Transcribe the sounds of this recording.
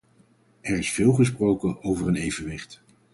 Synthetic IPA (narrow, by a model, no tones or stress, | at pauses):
ɛɹɪsfɪːlˠχəsprowkəowvəɹənejvənʋɪχt